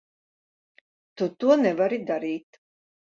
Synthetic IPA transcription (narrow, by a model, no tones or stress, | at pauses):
t̪ut̪uɔnɛvaɾid̪aɾiːt̪